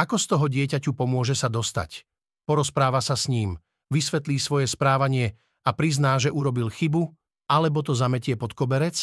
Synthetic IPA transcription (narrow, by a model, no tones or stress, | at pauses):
ʔakɔst̪ɔɦɔɟɪɛcacupɔmʊɔʒɛsad̪ɔst̪a̰c | pɔɾɔspɾaːʋasasɲiːm | ʋisʋɛt̪lʲiːsʋɔjɛspɾaːʋaɲɪɛ | apɾiznaːʒɛʔuɾɔbilxibu | alɛbɔt̪ɔzamɛcɪɛpɔt̪kɔbɛɾɛt͡s